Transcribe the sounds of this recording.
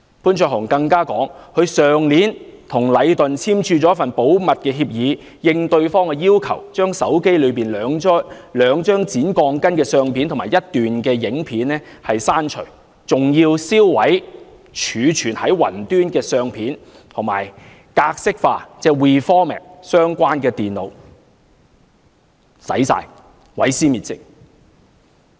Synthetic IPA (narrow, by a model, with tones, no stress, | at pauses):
puː˨˥nt͡ʃʰœː˧hɔː˨˩ŋkɐ˧ŋkaː˥kɔ̰ː˨˥ŋhɵ˨˧ɥsœː˨ŋliː˨˥nt̪ʰʊ˨˩ŋlɐ˨˧jt̪ɵ˨nt͡sʰiː˥mt͡ʃʰyː˧t͡sɔ˨˦˥fɐ˨npo˨˥wmɐ˨t̚kɛː˧ɦiː˧p̚jiː˨˧ | jɪ˧ŋt̪ɵ˧ɥfɔː˥ŋkɛ˧jiː˥wkʰɐ˨˩wt͡ʃœː˥ŋsɐ˨˥wke˥jlɵ˨˧ɥpiː˨˩nlœː˨˧ŋː˥lœː˨˧ŋt͡ʃœː˥ŋt͡siː˨˥nkɔː˧ŋkɐ˥nkɛː˧sœː˧ŋpʰiː˨˥nt̪ʰmaː˨˩jɐ˥t̚t̪yː˨nkɛː˧jɪ˨˥ŋpʰiː˨˥nːɛː˥hɐ˨jsaː˥nt͡ʃʰɵ̰˨˩ɥ | t͡sʊ˨ŋjiː˧wsiː˥wwɐ˨˥j | t͡ʃʰyː˨˧t͡ʃʰyː˨˩nhɐ˨˥jwɐ̰˨˩nt̪yː˥nkɛː˧sœː˧ŋpʰiː˨˥n | t̪ʰʊ˨˩ŋma̰ː˨˩j | kaː˧k̚sɪ˥k̚faː˧t͡sɛː˥˩wiː˨˩fɔː˥mɛ̰ː˨˩k̚sœː˥ŋkʷaː˥nkɛː˧t̪iː˨˩nlo̰˨˧w | sɐ̰˨˥jsa̰ː˧j | wɐ˨˥jsiː˥miː˨t̚t͡sɪ˥k̚